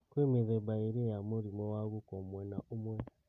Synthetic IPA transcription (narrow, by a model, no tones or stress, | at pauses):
kwemiðebaiɾijamuɾimwewaɣukomwenaumwe